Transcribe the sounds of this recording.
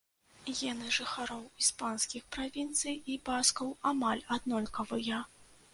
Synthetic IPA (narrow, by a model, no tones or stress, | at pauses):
ɣʲɛnɨʐɨxaɾɔwispanskʲixpɾavʲint̪sɨjibaskɐwamalʲad̪nɔlʲkɐvɨjɐ